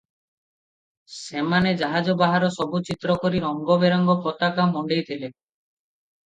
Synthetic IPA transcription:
semaned͡ʒaɦad͡ʒɔbaɦaɾɔsɔbut͡ʃit̪ɾɔkɔɾiɾɔŋɡɔbeɾɔŋɡɔpɔt̪akamɔɳɖejt̪ʰile

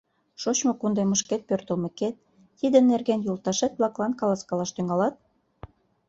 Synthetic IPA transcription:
ʃot͡ɕmokund̪eməʃket̪̚pørt̪ə̆lmĕket̪̚ː | id̪ə̆nːerɣenjult̪ɑʃet̪̚blɑklɑnkɑlɑskɑlɑʃt̪yŋɑlɑt̪̚

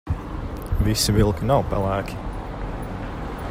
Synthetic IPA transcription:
visivilˠkinawpɛlˠæːkʲi̥

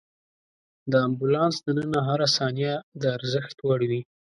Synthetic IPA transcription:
d̪əambʊlɑnsd̪ənənaɦaɾasɑnjad̪əaɾzəxt̪waɽiwi

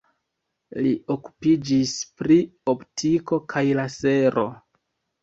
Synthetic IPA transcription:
lioku̥pid͡ʒispɾio̞ptʰiko̞kʰajlase̞ɾʔo̞̰

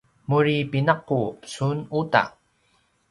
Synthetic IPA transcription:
muɾipinaqːupə̥sunuta̰

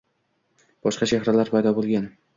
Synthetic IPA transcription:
b̥ɒʃqɑʃahɾalaɾpʰajd̪ɒbolˠɡʲan

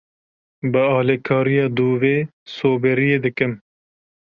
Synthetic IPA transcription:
bɨɑːlekʰɑːɾijɑːd̪uːveː | soːbeɾijeːd̪ɨkɨm

